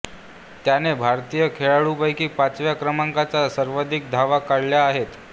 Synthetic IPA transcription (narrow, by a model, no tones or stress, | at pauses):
t̪janebʱaɾt̪ijəkʰeɭaɭupajkiːpat͡sʋjakɾəmaŋkat͡sasəɾʋəd̪ʱik̚d̪ʱaʋakaɽljaːɦet̪